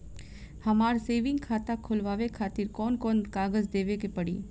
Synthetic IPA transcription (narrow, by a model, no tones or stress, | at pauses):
hɐmaːɾseːʋɪ̃ŋɡkʰaːt̪akʰʊlʋaːʋekʰaːt̪iɾkɔːnkɔːnkaːɡəzd̪eːʋekepɐɽḭː